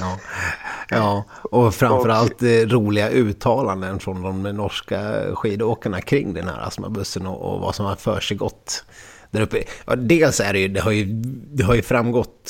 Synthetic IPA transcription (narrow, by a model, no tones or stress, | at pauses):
ɑː | jɑː | ɔfɾamfœɾalt̪ɾuːlɪɡaʔʉ̟ːt̪ʰɑːland̪ənfɾɔnd̪ɔmnɔʂkaɧiːd̪oːkaɳakʰɾɪŋːd̪ɛnhæ̰ːɾa̰sma̰bɵsːənɔ̰ɔ̰va̰sɔmhafœ̰ːʂɛjɡɔ̰t̪ː | d̪æɾɵpːəjɑ̰d̪eːlsæɖɛjɵd̪ɛɦaɾjɵd̪ɛɦaɾjɵfɾamːɡɔt̪ː